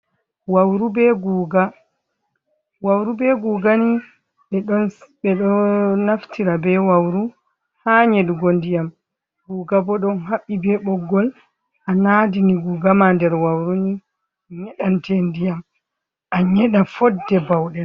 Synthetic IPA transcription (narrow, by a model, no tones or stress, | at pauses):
wawɾubɛɡuːɡa | wawɾubɛɡuːɡani | ɓɛɗɔnɓɛɗɔnaftʰiɾabɛwawɾu | haːɲɛdɡondijam | ɡuːɡabɔɗɔnɦaɓːibɛɓɔɡːɔl | ʔanadiniɡuːɡamandɛɾwawɾuni | ɲɛɗantʰɛndijam | ʔaɲɛɗafɔdːɛbawɗɛ